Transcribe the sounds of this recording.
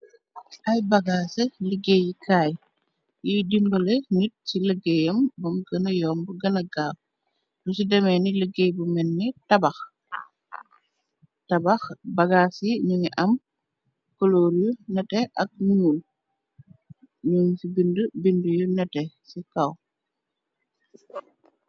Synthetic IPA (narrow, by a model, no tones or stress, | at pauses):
ʔɐjbɐɡaːsiləɡejikʰaːj | jidimbɐlenit̚siləɡejɐmbɐmɡɐnɐjɔːmbuɡɐnɐɡaːf | dusidɐmɛniləɡejbumɛnːɛtɐbɐx | tɐbɐxbɐɡaːsiɲuŋiʔɐm | koloːɾjunɛtɛɐk̚nunul | ɲuŋsibindəbindujunɛtɛ | sikɐw